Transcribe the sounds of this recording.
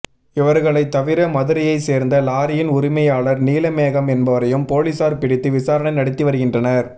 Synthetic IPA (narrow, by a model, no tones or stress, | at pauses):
ɪʋɐɾɣɐɭɐɪt̪ːɐʋɪɾɐmɐðɯɾɐjɐɪseːɾnd̪ɐlaːɾɪjɪnʊɾɪmɐjaːɭɐɾniːlɐmeːɣɐmɛnbɐʋɐɾɐjɯmpoːlisaːɾpɪɽɪt̪ːɯʋɪsaːɾɐɳɐɪnɐɽɪt̪ːɯʋɐɾɯɣɪndrɐnɐɾ